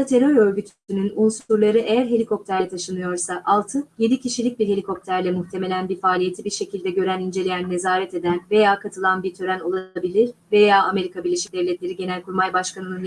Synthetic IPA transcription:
t̪ʰe̞ɾoɾø̞ɾɟyt̪ʰysynynulˠsuɾlˠaɾɯʔe̞jæɾɦe̞lʲikʰo̞p̚t̪ʰæɾlʲɛt̪ʰaʃɯnɯjo̞ɾsaʔalˠt̪ʰɯjed̪icʰiʃilʲic̚biɾhe̞lʲikʰo̞p̚t̪ʰæɾlʲɛmuht̪ʰe̞me̞lʲænbiɾfaːlʲije̞t̪ʰibiɾʃe̞cʰilʲd̪ɛɟø̞ɾænind͡ʒe̞lʲejænːe̞zaːɾɛt̪e̞d̪ænve̞jaːkʰat̪ʰɯlˠanbiɾt̪ʰø̞ɾæno̞lˠabilʲiɾve̞jaːʔame̞ɾikʰabiɾlʲeʃi̥c̚d̪ɛvlʲɛt̪lʲe̞ɾiɟe̞nælʲkuɾmajbaʃkʰanɯnun

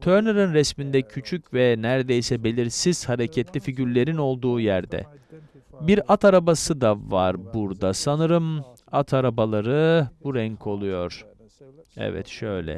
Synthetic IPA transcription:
t̪ʰøɾnɯɾɯnɾɛsmind̪ɛcʰyt͡ʃʰycvɛnæɾd̪ejsɛbe̞lʲiɾsiz̥haɾecʰɛt̪lʲifiɟyɾlʲe̞ɾino̞lˠd̪uːjæɾd̪ɛ̰ | biɾat̪ʰaɾabasɯd̪avaɾbuɾd̪asanɯɾɯm | at̪ʰaɾabalˠaɾɯbuɾɛɲkʰo̞lˠujo̞ɾ̥ | ɛ̰vɛ̰t̪ʃø̞jlʲɛ̰

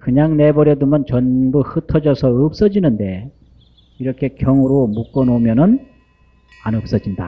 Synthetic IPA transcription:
kɯɲaŋne̞bʌɾjʌdumjʌnt͡ɕʌnbuhɯtʰʌd͡ʑʌsʰʌɯp̚s͈ʌd͡ʑinɯnde̞ | iɾʌkʰe̞kjʌŋuɾomuk͈ʌnomjʌnɯn | anɯp̚s͈ʌd͡ʑinda

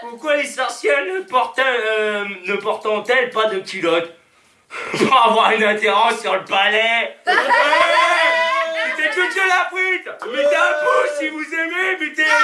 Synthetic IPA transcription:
puʁkwalesɔʁsjɛlnəpɔʁt̪ɛ | nəpɔʁt̪ɑ̃t̪ɛlpad̪əkʲilɔt̪ | puʁavwaʁynɛ̃t̪eʁɑ̃sːyʁləpalɛ | wwɛpyt̪ɛkud̪əlapwit̪mit̪eɛ̃posivuzememit̪e

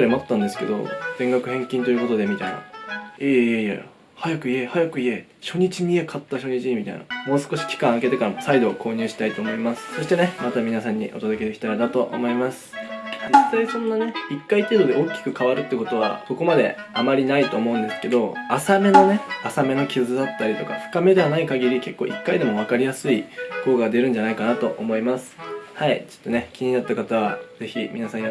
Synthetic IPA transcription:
ɾʲimat̪ːãnd̪e̞sɨ̥ke̞d̪o̞̰d̥̪ẽ̞ŋɡakɯ̟hẽ̞ŋkʲĩnt̪o̞jiɯ̟ko̞t̪o̞d̪e̞mʲit̪aina̰eːejḛ | hajakɯ̟ie̞hajakɯ̟ie̞ | ɕo̞ɲ̟it͡ɕimʲie̞kʰat̪ːaɕo̞ɲ̟it͡ɕimit̪a̰ḭna̰moːsɨ̥ko̞ɕi̥kʲi̥kãɰ̃ake̞t̪e̞kaɾamosaid̪o̞ːkʰo̞ːɲ̟ɨ̟ːɕi̥t̪ait̪o̞ːmo̞imasɨ̥so̞ɕi̥t̪e̞ne̞mat̪amʲinasãɲ̟ːḭʔo̞̰t̪od̪o̞ked̪ekʲi̥t̪aɾid̪at̪o̞ʔo̰mo̞imasɨ̥d͡ʑit̪ːaisõ̞nːane̞ikːait̪e̞ːd̪o̞d̪e̞okʲːi̥kɯ̟kaβaɾɯ̟t̪ːeɯko̞t̪o̞β̞a̰so̞ko̞mad̪e̞̰ | amaɾʲinait̪o̞ːmo̞ɯ̟̃nd̪e̞sɨ̥ke̞d̪o̞asame̞no̞ne̞asame̞no̞kʲizɨd̪at̪ːaɾʲit̪o̞kaɸɯ̥kame̞d̪e̞anaikaɡʲiɾʲike̞kːo̞ːikːaid̪e̞mo̞β̞akaɾʲijasɨiko̞ːɡad̪e̞ɾɯ̟n̟d͡ʑanaikanat̪o̞ʔomo̞imasɨ̥hait͡ɕot̪ːo̞ne̞kʲiɲ̟inat̪ːakat̪aβ̞a̰ze̞çimʲḭnasãɲ

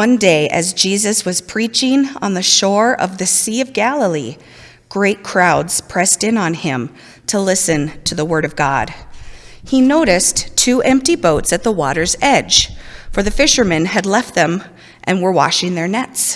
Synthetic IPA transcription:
wʌ̃ndeɪʔɨ̰zd͡ʒizɨswʌz̥pʰɹ̥it͡ʃɪ̃ŋə̰̃nðɨʃɔɹʌ̰vðɨsiʌvɡælˠəlˠi | ɡ̥ɹeɪt̚kʰɹ̥aʊdz̥pʰɹ̥ɛstɨ̃nə̃nɪ̃m | tʰəlɪsɨ̃ntʰɨðəwɜ˞ɾʌvɡɑ̰d̥̚ | inoʊɾɨsttʰʉʔɛ̃mp̚tiboʊtsɨt̪̚ðəwɔ̰ɾə˞zɛd̥ʒ̥fə˞ðɨfɪʃə˞mɨ̃nɨdˡlɛft̪̚ðɨ̃m | ʔɨ̃nwə˞wɑ̰ʃɪ̃ŋðə˞nɛts

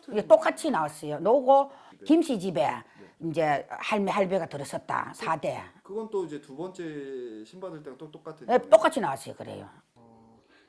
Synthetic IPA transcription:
et͈ok͈at͡ɕʰinawas͈ʌjonouɡo | kimɕʰid͡ʑibe̞ind͡ʑe̞haɭmeɦaɭbeɡatɯɾʌs͈ʌt̚t͈a̰sʰade̞kɯɡʌnt͈oid͡ʑe̞tubʌnt͡ɕ͈e̞ɕʰimbadɯɭt͈eɡatotok͈atʰnet͈ok͈at͡ɕʰinawas͈ʌjo̰kɯɾḛjo̰

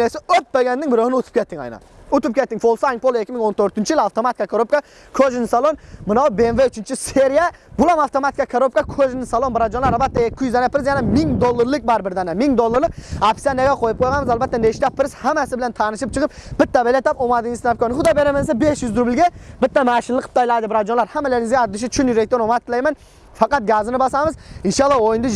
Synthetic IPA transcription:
esɪøt̪̚beɡʲɛnːɪŋbɪɾohɪnɪut̪ʰʊ̥pkʲʰɛt̪ʰːɪŋɑ̰jnɑ̰ | ut̪up̚kʲɛt̪ːɪŋfolˠsɑjŋpolˠekʲʰːimɪŋont̪ʰøɾt̪ɪnt͡ʃʰijilɑft̪omɑat̪ikʰɑkʰoɾop̚kɑ | kʰøʒnɪsɑlˠonmɨnɑwbenveyt͡ʃʰynt͡ʃʰiseɾijɛbulˠɑmɑft̪omɑt̪i̥kʲɑkʰaɾop̚kɑkʲʰøʒnɪsɑlˠonbɾɑd͡ʒonlˠɑɾlbɛt̪ːɛekʲʰːijyzɛnɛpʰɪɾɪzjɛnɛmɪŋd̪olˠːɨɾlˠɨk̚bɑɾbɪɾd̪ɛnɛmɪŋd̪olˠːɨɾlˠɨk̚ɑpsijanɛɡʲɛqʰojɪp̚qʰojʁɑnmɪzɑlˠbɛt̪ːɛneʃt̪ɛpʰɪɾɪz̥hæmæsɪbɪlɛnt̪ʰɑnɨʃip̚t͡ʃʰəʁɨp̚b̥ɪt̪ːɛbelɛt̪ɑpomɑd̪ɨŋisnɑp̚kʰʲonχʊd̪ɑbeɾɛmɛns̬ɛbeʃjyzd̪ʊɾbɪlɡʲɛbɪt̪ːɛmæːʃɪnlˠɨqʰːə̥p̚t̪ɑjlˠɑd̪ɨbɾɑd͡ʒonlˠɑɾhɛmːɛleɾɪŋɪzɡʲɛɑd̪ɨʃ̬ɪt͡ʃʰynjyɾek̚t̪onomɑt̪ʰːɨlˠɛjmɛn | fɑqɑt̪̚ɡæːzɨnɪbɑsɑmɨzinʃɑlˠːɑojnd̪ɨ

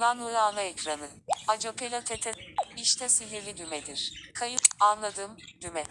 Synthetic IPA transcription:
nanuɾaːnˠaɛcɾanɯ | ad͡ʒopelʲot̪ʰet̪ʰɛiʃt̪ʰɛsiliɾlʲid̪ymɛd̪iɾ̥kʰajɯpanlˠad̪ɯːmd̪̥ymɛ

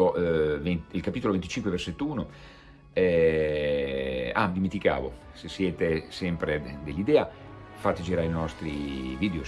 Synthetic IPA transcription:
ovenilkapiːt̪olovent̪it͡ʃiŋkweverset̪ːuːno | ɛ | a̰d̪iment̪ika̰ːvo | sesːjɛːt̪esɛmpɾed̪elːid̪ɛːafat̪ed͡ʒiɾaɾinɔst̪ɾiviːd̪eo

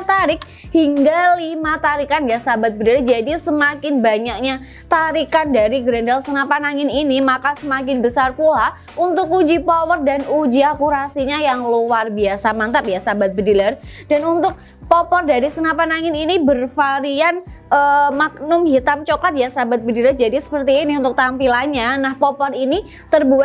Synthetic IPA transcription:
t̪aɾɪk̚ | hiŋɡalimat̪aɾikanjasabat̪̚bədilard͡ʒadisəmakɪnbaɲak̚ɲa | t̪aɾikandaɾiɡɾɛndalsənapanaŋɪninimakasəmakɪnbəsarkula | unt̪ʊk̚ud͡ʒipɔpɔrdanud͡ʒiakuɾasiɲajaŋlowarbiasamant̪ap̚jasabat̪̚bədilərd̥anunt̪ʊk̚ | pɔpɔrdaɾisənapanaŋɪninibərfaɾianʔəmak̚nʊmɦit̪amt͡ʃokat̪̚jasabat̪̚bədilərd͡ʒadisə̥pərt̪iːniunt̪ʊk̚t̪ampilanɲanahpɔpɔrini | t̪ərbuat̪̚

